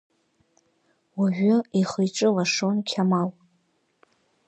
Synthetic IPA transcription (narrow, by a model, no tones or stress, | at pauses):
waʒᶣʷʊiχəjʈ͡ʂʼɨlaʂonkʲʰamal